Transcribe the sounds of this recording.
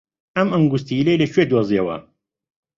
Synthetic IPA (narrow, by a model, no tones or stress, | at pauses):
ɐmɐŋɡust̪ilelɐt͡ʃʰwed̪woziɐwɐ̰